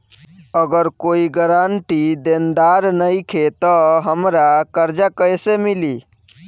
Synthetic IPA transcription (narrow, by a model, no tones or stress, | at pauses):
əɡəɾkoːiɡəɾaɳʈid̪end̪aɾnəikʰet̪ɔɦəmɾakəɾd͡ʒakəjsemili